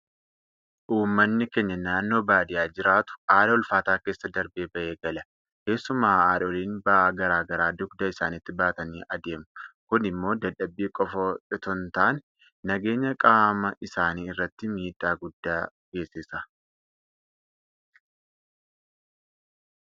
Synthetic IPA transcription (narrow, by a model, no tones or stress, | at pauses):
ʔuːmːɐnːɪkɛɲːɐnaːnːo̞ːbaːd̪ɪjaːd͡ʒɪɾaːt̪ʊ̥aːᶑɐɔlfaːt̪aːke̞ːsːɐd̪ɐɾbeːbɐʔeːɡɐlɐ | ke̞ːsːʊmaːaːᶑɐɔliːnbɐʔaːɡɐɾaːɡɐɾaːd̪ʊkd̪ɐɪsaːnɪt̪ːɪbaːt̪ɐniːʔɐd̪e̞ːmʊkʊnɪmːo̞ːd̪ɐᶑɐbːiːkʼɔfɐᶑɪt̪ɔnt̪aːnː | ɐɡe̞ːɲːɐkʼaːmɐʔɪsaːniːɪrːɐt̪ːɪmiːᶑʼaːɡʊd̪ːaː | ɡe̞ːsɪsɐ